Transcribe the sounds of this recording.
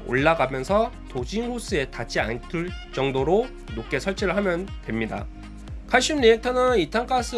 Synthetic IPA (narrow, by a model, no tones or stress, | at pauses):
o̰ɭːaɡamjʌnsʰʌ | tod͡ʑinhus͈ɯe̞tat͡ɕ͈iantʰɯɭt͡ɕ͈ʌŋdoɾo | nok͈̚e̞sʰʌɭt͡ɕ͈ʰiɾɯɭhamjʌntwe̞mɲida̰ | kʰaɕ͈umniek̚tʰʌnɯnitʰaŋkʰas͈ʰɯ